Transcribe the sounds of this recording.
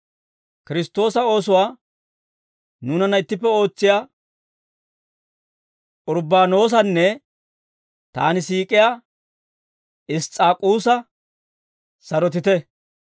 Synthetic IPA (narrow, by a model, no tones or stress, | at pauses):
kɪɾɪst̪o̞ːsɐo̞ːsʊwaː | nuːnɐnɐɪt̪ːɪpːɛo̞ːt͡sːɪjaː | ʔʊɾbaːno̞ːs̬ɐnːɛ | t̪a̰ːnɪsiːkʼɪjaː | ɪst͡sʼaːkʼuːsɐ | sɐɾɔt̪̬ɪt̪ɛ